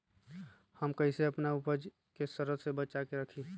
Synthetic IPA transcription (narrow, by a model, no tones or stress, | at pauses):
həmkəiseəpnaʊpəd͡ʒ | kesəɾəd̪sebət͡ʃakeɾəkʰi